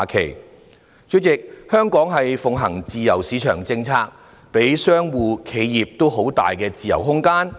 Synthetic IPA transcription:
kʰe˨˩j | t͡ʃɵ˨˥t͡sɪ˨k̚hœː˥ŋkɔː˨˥ŋɦɐ˨jfʊ˨ŋɦɐ˨˩ŋt͡siː˨jɐ˨˩wsiː˨˥t͡ʃʰœː˨˩ŋt͡sɪ˧ŋt͡sʰaː˧k̚ | pe˨˥jsœː˥ŋwuː˨˧kʰe˨˧jjiː˨p̚t̪o˥wɦo˨˥wt̪a̰ː˨jkɛː˧t͡siː˨jɐ̰˨˩wɦʊ˥ŋkaː˥n

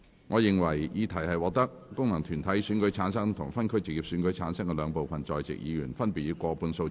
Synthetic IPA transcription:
ŋʔɔː˨˧jɪ˨ŋwɐ˨˩jjiː˨˧t̪ʰɐ˨˩jhɐ˨jwɔː˨˧k̚t̪ɐ˥k̚ːʊ˥ŋmɐ˨˩ŋt̪ʰyː˨˩nt̪ʰɐ˨˥jsyː˨˥nkɵ˨˥ɥt͡sʰaː˨˥nsɐ˥ŋt̪ʰʊ˨˩ŋfɐ˥nkʰt͡sɪ˨k̚jiː˨p̚syː˨˥nkɵ˨˥ɥt͡sʰaː˨˥nsɐ˥ŋkɛ˧lœː˨˧ŋpo˨wfɐ˨nt͡sɔː˨jt͡sɪ̰˨k̚jiː˨˧jyː˨˩nfɐ˥npi˨jiː˧kʷɔː˧pʰuː˧nso˧

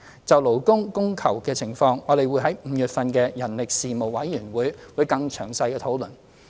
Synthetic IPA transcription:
t͡sɐ˨wlo˨˩wkʊ˥ŋkʊ˥ŋkʰɐ˨˩wkɛː˧t͡sʰɪ˨˩ŋfɔː˧ŋɔː˨˧le˨jwu˨˧˥jɦɐ˨˥jm̩ː˨˥jyː˨t̚fɐ˨nkɛː˧jɐ˨˩nlɪ˨k̚siː˨mo˨˩wwɐ˨˥jːyː˨˩nwuː˨˥jwuː˨˧jkɐ˧ŋt͡ʃʰœː˨˩ŋsɐ˧jkɛː˧t̪ʰo˨˥wlɵ˨˩n

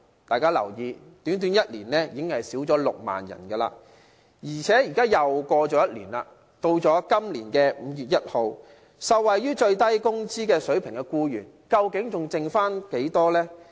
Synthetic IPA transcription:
t̪aː˨jkaː˥lɐ̰˨˩wjiː˧ | t̪yː˨˥nt̪̬yː˨˥njɐ˥t̚liː˨˩nlɛː˥jiː˨˩kɪ˥ŋhɐ˨jsiː˨˥wt͡sɔː˨˥lʊ̰˨k̚ma̰ː˨njɐ̰˨˩nɡɐ˧la̰ː˧ | jiː˨˩t͡sʰɛː˨˥jiː˨˩kaː˥jɐ˨wkɔː˧t͡ʃɔː˨˥jɐ˥t̚liː˨˩nla̰ː˧ | t̪o˧wt͡sɔː˨˥kɐ˥mliː˨˩nkɛː˧m̩˨˧jyː˨t̚jɐ˥t̚ho˨˧w | sɐ˨wwɐ˨jjyː˥t͡ʃɵ˧ɥt̪ɐ˥jkʊ˥ŋt͡siː˥kɛː˧sɵ˨˥ɥpʰɪ˨˩ŋkɛ˧kuː˧jy̰ː˨˩n | kɐ˧wkɪ˨˥ŋt͡sʊ˨ŋt͡sɪ˨˧ŋfaː˥nke˨˥jt̪ɔː˥lɛː˥

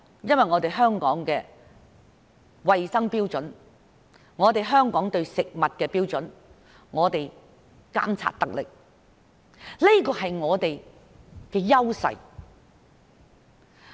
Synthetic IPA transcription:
jɐ˥nwɐ˨jŋɔː˨˧t̪e˨jɦœː˥ŋkɔː˨˥ŋkɛː˧ | wɐ˨jsɐ˥ŋpiː˥wt͡sɵ˨˥n | ŋɔː˨˧t̪e˨jɦœː˥ŋkɔː˨˥ŋt̪ɵ˧ɥsɪ˨k̚mɐ˨t̚kɛː˧piː˥wt͡sɵ˨˥n | ŋɔː˨˧t̪e˨j | ka̰ː˥mt͡sʰa̰ː˧t̚t̪ɐ˨k̚lɪ̰˨k̚ | li˥kɔː˧ɦɐ˨jŋɔː˨˧t̪e˨j | kɛː˧jɐ˥wsɐ̰˨j

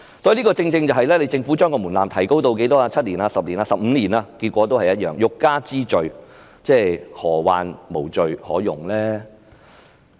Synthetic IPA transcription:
sɔː˨˥ji˧liː˥kɔː˧t͡sɪ˧ŋt͡sɪ˧ŋt͡sɐ˨wɦɐ˨jlɛː˥le˨˧jt͡sɪ˧ŋfu˨˥t͡ʃœː˥ŋkɔː˧muː˨˩nlaː˨mt̪ʰɐ˨˩jko˥wt̪̬o˧wke˨˥jt̪ɔː˥laː˧t͡sʰɐ˥t̚liː˨˩naː˧sɐ˨p̚liː˨˩naː˧sɐ˨p̚m̩ː˨˧liː˨˩naː˧kiː˧t̚kʷɔː˨˥t̪o˥whɐ˨jɐ˥t̚jœː˨˩ŋjʊ˨kːaː˥t͡siː˥t͡ʃɵ˨ɥ | t͡sɛː˥˩jhɔː˨˩wa̰ː˨nmo˨˩wt͡ʃɵ˨ɥhɔː˨˥jʊ˨˩ŋlɛː˥

